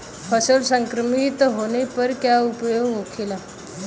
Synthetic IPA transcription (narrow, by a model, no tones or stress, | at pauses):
fʰəsəlsəŋkɾəmit̪ɦonepəɾkjaupjoɡokʰila